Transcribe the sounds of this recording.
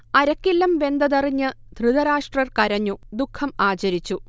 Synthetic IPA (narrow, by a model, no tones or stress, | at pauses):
ɐɾɐkːilːɐmbe̞nd̪ɐðɐriɲːɨ | d̪ʱrɨðɐɾaːʂʈrɐrkɐɾɐɲːud̪ukʰːɐmaːt͡ɕɐɾit͡ɕːu